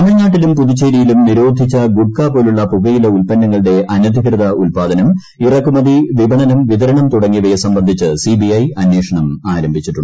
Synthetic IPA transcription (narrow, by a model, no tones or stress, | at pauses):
ɐmɐɻɐɲːaːʈ̬ːilumpuðit͡ɕːeːɾijilumniɾo̞ːd̪ʱit͡ɕːɐɡuʈ̚kaːpoːluɭːɐpuɣɐjilɐulpɐnːɐŋːɐɭɨɽe̞ʔɐnɐd̪ʱikrɐðɐʔulpaːd̪ɐnɐm | irɐkːumɐðiʋibʱɐɳɐnumʋiðɐɾɐɳɐmt̪uɽɐŋːiʋɐjɐsɐmbɐnd̪ʱit͡ɕːɨsibiɐjɐnːe̞ːʂɐɳɐmaːɾɐmbʱit͡ɕːiʈːuɳɖɨ